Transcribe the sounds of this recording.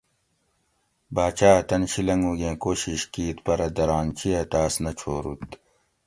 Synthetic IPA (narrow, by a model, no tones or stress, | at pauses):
baːt͡ɕaːt̪ɐnɕilɐŋɡuɡẽːkoːɕiɕkiːt̪pɐɾɐd̪ɐɾaːnt͡ɕʰijɐt̪aːsnɐt͡ɕʰoːɾṵt̪